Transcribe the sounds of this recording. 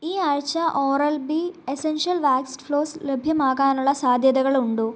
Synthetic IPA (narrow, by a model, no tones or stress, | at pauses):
iːɐɻt͡ɕːɐʔoːrɐlbiesenʂɐlʋaːksʈfɭo̞ːslebʱjɐmaːɣaːnuɭːɐsaːd̪ʱjɐðɐɣɐɭuɳɖu